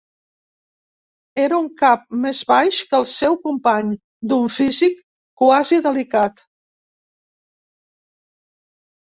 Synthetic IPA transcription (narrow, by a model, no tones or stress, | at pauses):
eɾəuŋkap̚mezβajʃkəlˠsɛwkumpaɲ | d̪uɱfizikː | waziðəlikat̪